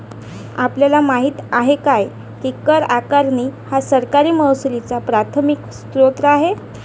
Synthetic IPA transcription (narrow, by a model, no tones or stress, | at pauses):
a̰pljalamaɦiːt̪aɦekaj | kikəɾakaɾniːhasəɾkaɾiːməwsulit͡sapɾat̪ʰəmikst̪ɾot̪ɾəaɦe